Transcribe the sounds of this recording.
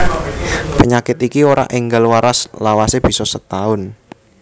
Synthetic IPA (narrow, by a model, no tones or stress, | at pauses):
pəɲakɪt̪ikioɾa̰ʔɪŋɡalwaɾaslawaseb̥i̤sɔsət̪aʊn